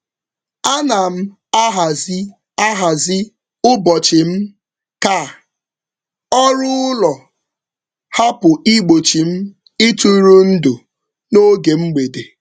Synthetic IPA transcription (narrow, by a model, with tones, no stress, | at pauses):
a˦na˨m̩˦ | a˦ɦa˨zi˦ | a˦ɦa˨zɪ˦ | ʊ˦bɔ˨t͡ʃɪ˨m̩˦ | ka˦˨ | ɔ˦ɾʊ˦ʊ˦lɔ˨ | ha˦pʊ˨i˦ɡ͡bo˨t͡ʃi˨m̩˦ | ɪ˦tu˦ɾu˦n̩˦dʊ˨ | no˦ɡe˨ŋ͡m̩˦ɡ͡be˨de˨